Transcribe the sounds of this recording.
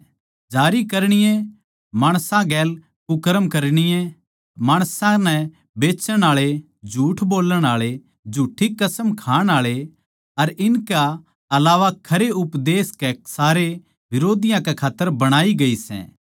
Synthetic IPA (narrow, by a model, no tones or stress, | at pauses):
d͡ʒaːɾikɐɾɽ̃ɪjɛ̃ | maːɽ̃sãɡɛːl | kʊkəɾəmkɐɾɽ̃ɪjɛ̃ | maːɽ̃sãnɛ̃ | beːt͡ʃəɽ̃aːɭe | d͡ʒʱuːʈʰboːləɽ̃aːɭe | d͡ʒʱuːʈʰːikɐsəmkʰaːɽ̃aːɭe | ɐɾɪnka | ɐlaːʋakʰɐɾeʊpd̪eːskɛsaːɾe | ʋɪɾoːd̪ɪjãkɛkʰaːt̪ːəɾbɐɽ̃aːiɡɐisɛ̰̃ː